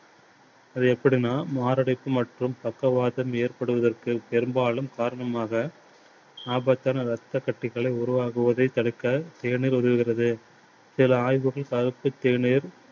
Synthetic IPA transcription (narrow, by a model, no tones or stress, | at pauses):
ɐðɯɛpːɐɽinaːmaːɾɐɽɐɪpːɯmɐʈrɯmpɐkːɐʋaːðɐmeːrpɐɽɯʋɐðɐrkɯpɛɾɯmbaːɭɯmkaːɾɐɳɐmaːɣɐ | aːbɐt̪ːaːnɐɾɐt̪ːɐkːɐʈːɪɣɐɭɐɪʊɾʊʋaːɣɯʋɐðɐɪt̪ːɐɽɯkːɐt̪eːɳiːɾɔðɯʋɯɣɪrɐðɯ | sɪlɐaːjʋɯɣɐɭkɐɾɯpːɯt̪ːeːɳiːɾ